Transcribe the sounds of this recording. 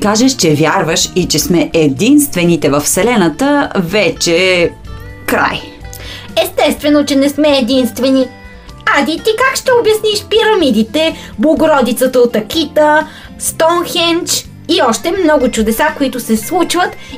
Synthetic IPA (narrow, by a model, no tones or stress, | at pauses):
kaʒɛʃt͡ʃɛvʲjaɾvəʃit͡ʃɛsmɛʔɛd̪inst̪vɛnit̪ɛvəfsɛlɛnət̪əvɛt͡ʃɛ | kɾa̰j | ɛst̪ɛst̪vɛnot͡ʃɛnɛsmɛːd̪inst̪vɛni | ad̪it̪ikakʃt̪ɛobjɐsniʃpiɾɐmid̪it̪ɛ | blˠoɡʊɾɔd̪it̪sət̪əot̪ɐkit̪ə | st̪ɔnxɛnt͡ʃ | iɔʃt̪ɛmnɔɡʊt͡ʃʊd̪ɛsakoit̪ʊsɛslˠut͡ʃvət̪